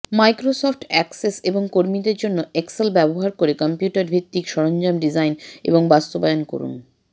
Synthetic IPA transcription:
majkɾosofʈɛkseseboŋkoɾmid̪eɾd͡ʑonːoʔekselbɛboɦaɾkoɾekɔmpjuʈaɾbʱit̪ːikʃɔɾond͡ʑamɖid͡ʑajnḛboŋbast̪obajonko̰ɾṵn

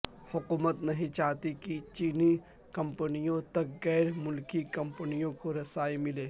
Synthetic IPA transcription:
hʊkuːmət̪nɐɦĩt͡ʃaːt̪ikit͡ʃiːni | kɐ̃mpənijõt̪ɐkɣɛːɾmʊlkikɐ̃mpənijõkoɾɐsaːimɪleː

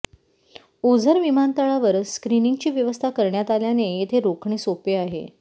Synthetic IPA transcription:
od͡zʱəɾʋimant̪əɭaʋəɾskɾiniŋɡt͡ɕiːʋjəʋəst̪ʰakəɾɳjat̪aljanejet̪ʰeɾokʰɳesopeaɦḛ

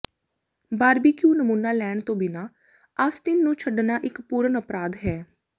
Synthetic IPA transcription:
baːɾbiːkjuːnəmuːnaːlɛːɳt̪õːbɪnaː | əst̪ɪnːũːt͡ʃʰəɖnaːʔɪkpuːɾənəpɾaːd̪ɦɛː

